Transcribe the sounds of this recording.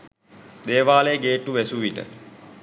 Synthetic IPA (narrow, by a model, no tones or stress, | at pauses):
d̪eːʋaːlejəɡeːʈːuʋɛsuʋiʈə̰